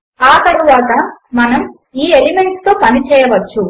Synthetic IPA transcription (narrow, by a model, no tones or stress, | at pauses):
aːt̪ɐɾuʋaːt̪ɐmɐnɐm | iːelime̞ɳʈst̪o̞ːpɐnit͡ʃɛːjɐʋɐt͡ʃːu